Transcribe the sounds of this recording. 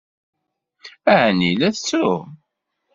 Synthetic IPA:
æʕnḭlæθt͡sːu

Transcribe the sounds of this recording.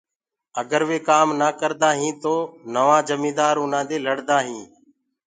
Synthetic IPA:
əɡəɾʋeːkaːmnaːkəɾd̪aːɦĩːt̪oːnəʋãːd͡ʒəmĩːd̪aːɾʊnãːd̪eːləɽd̪aːɦĩː

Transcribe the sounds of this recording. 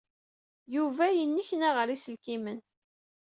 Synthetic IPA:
juvæjənːiçnæʁəɾisəlkimən

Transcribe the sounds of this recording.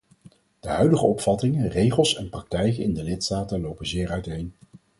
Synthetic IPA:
d̥əɦœɥdəχəɔpfɑtɪŋərejχəlˠsɛnprɑk̚tɛjkənɪndəlɪtstaːtənlowpənzɪːɹœɥtejn

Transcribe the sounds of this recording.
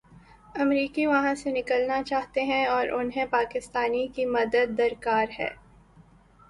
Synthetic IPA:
ɐmɾiːkiʋɐɦãsenɪkəlnat͡ʃaːɦt̪eɦɛ̃ɔːɾʔʊnɦẽpaːkɪst̪aːnikimɐd̪əd̪ːɐɾkaːɾɦɛ̰ː

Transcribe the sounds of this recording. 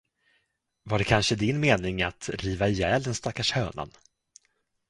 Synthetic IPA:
vaɖɛkʰanʂəd̪ɪnmeːnɪŋat̪ɾiːvajɛːld̪ənst̪akːaʂhœːna̰n

